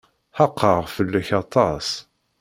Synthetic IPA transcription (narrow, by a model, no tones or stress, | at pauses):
ħɑqʰːəʁfəlːæçɑt̪ˤɑs